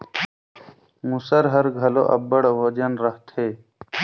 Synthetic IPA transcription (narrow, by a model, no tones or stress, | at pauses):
musɐɾɦɐɾɡʱɐlo̰ʔɐ̰bɐɽwɐd͡ʒɐnɾɐht̪eː